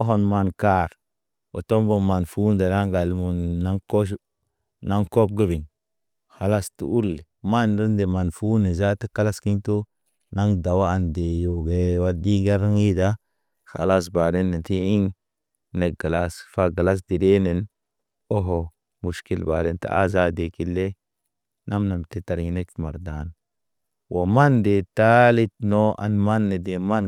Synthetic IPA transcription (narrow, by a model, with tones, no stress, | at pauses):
o˦ɦo˨nma˨nka˦˨ɾ | o̰˨to˦mbo˦˨ma˨nfu˦n˦de˨na˦ŋɡa˨lmu˨nna˦ŋko˦ʃ | na˦ŋko˦b̚ɡə˦bi˨n | xa˨la˦stṵ˨˦u˦lːi˨ma˦n˨də˦nde˨ma˨nfu˦ne˨za˦tə˦ka˦la˦ski˦nto˦ | na˦ŋda˨wa˦a˨nde˨jo˨ɡe˨wa˦di˦ɡe˦ɾŋi˦da˦ | xa̰˨la˦s̬ba˨de˦nːe˨ti˦i˦ŋ | ne˨ɡa˨la˦sfa˦ɡa˨la˦s̬di˨de˦ne˨n | o˦ɦo˨ | mu˨ʃki˦lba̰˨de˦nta̰˨a̰˦za˦de˨ki˦lːe˦ | na˦mna˨mte˨ta˨ɾŋ˦ne˦kma˨ɾda˨n | wo˨ma˦nde˨ta˦li˦t̚no˦a̰˨nma˦nːe˨de˨ma˦n